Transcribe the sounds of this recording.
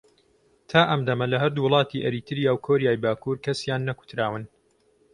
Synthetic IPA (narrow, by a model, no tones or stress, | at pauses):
t̪ʰaːʔɐmd̪ɐmɐlɐɦɐɾd̪uːwʊlˠɑːt̪ʰiʔɐɾiːt̪ʰɨɾjaːwkʰoːɾijaːjbaːkuːɾkɐsjaːnːɐku̥t̪ɾaːwɨn